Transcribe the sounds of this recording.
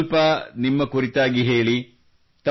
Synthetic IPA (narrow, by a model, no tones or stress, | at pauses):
lpɐnimːɐkuɾit̪aːɡiɦe̞ːɭi | t̪ɐ